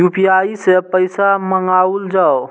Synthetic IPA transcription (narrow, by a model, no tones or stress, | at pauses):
juːpijaːisepəɪsaməŋɡaːʊld͡ʒaːo